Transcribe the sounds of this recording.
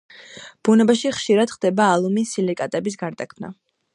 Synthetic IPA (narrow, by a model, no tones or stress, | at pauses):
b̥unɛbaʃiχʃiɾad̪̥χd̪̥ɛbaːlˠumisilikʼat̪ʼɛbis̬ɡaɾd̪akʰmna̰